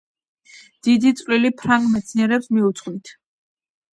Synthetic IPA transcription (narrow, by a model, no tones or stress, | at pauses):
d̪̥id̪it̪sʼvlilipʰɾaŋɡmɛt̪sʰniɛɾɛpsmiut̪sʼqʼwnit̪ʰ